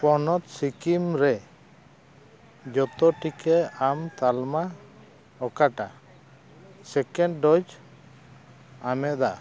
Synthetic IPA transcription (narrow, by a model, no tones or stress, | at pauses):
pɔnɔt̪sikimɾɛ | d͡ʒɔt̪ɔʈikɛamt̪alma | ɔkaʈa | sɛkɛɳɖɖɔd͡ʒ | amɛʔd̪a